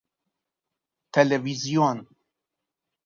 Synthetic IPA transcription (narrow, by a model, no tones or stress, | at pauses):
t̪ʰɛlɛvizijon